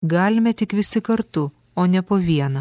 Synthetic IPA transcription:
ɡɑːlʲɪmʲɛt̪ʲɪkʋʲɪsʲɪkɐɾt̪ʊ | oːnʲɛpoːʋʲiɛnɐ

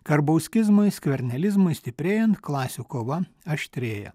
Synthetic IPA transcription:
kɐɾbɐʊsʲkʲɪzmʊɪsʲkʲʋʲɛɾʲnʲɛlʲɪzmʊɪsʲt̪ʲɪpʲɾʲeːjɛnt̪klˠɑːsʲuːkoːʋɐ | ɐʃʲt̪ʲɾʲeːjɛ̰

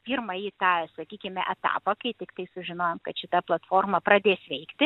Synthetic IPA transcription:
pʲiːɾmɐjit̪ɑːsɐkʲiːkʲɪmʲɛʔɛt̪ɑ̰ːpɐkɐɪt̪ʲɪkt̪ɐɪsʊʒʲɪnoːjɛmkɐt̪ʃʲɪt̪ɐplˠɐt̪foːrmɐpɾɐd̪ʲeːsʋʲɛɪkt̪ʲɪ

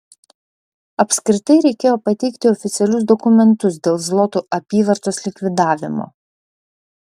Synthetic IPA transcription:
ɐpʲskɾʲɪt̪ɐɪɾʲɛɪkʲeːjoːpɐt̪ʲɛɪkt̪ʲɪɔfʲɪt̪sʲɛlʲʊsd̪ɔkʊmʲɛnt̪ʊsd̪ʲeːlˠzlˠɔt̪uʔɐpʲiːʋɐɾt̪oːslʲɪkʋʲɪd̪ɑːʋʲɪmo̰ː

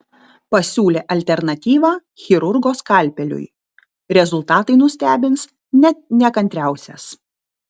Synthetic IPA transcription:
pɐsʲuːlʲeːʔɐlʲt̪ʲɛɾnɐt̪ʲiːʋɑː | xʲɪɾʊɾɡoːskɑˑlʲpʲɛlʲʊ̰j | ɾʲɛzʊlˠt̪ɑːt̪ɐɪnʊsʲt̪ʲæːbʲɪns | nʲɛt̪̚nʲɛkɐnʲt̪ʲɾʲæˑʊsʲɛ̰s

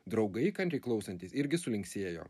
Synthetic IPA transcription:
d̪ɾɒʊɡɐɪkɐnʲɾʲɛɪklˠɒʊsɐnt̪ʲiːsɪɾʲɡʲɪsʊlʲɪŋksʲeːjo̰ː

